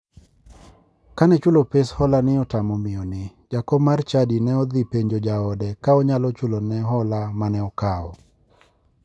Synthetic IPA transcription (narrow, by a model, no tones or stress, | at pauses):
kanɛt͡ʃʊlopeshɔlanɪɔtamɔmɪɔnɪd͡ʒakɔmart͡ʃadinɛɔd̪ipeɲd͡ʒod͡ʒaɔdɛkaɔɲalɔt͡ʃʊlonɛɦɔlamanɛɔkaɔ̰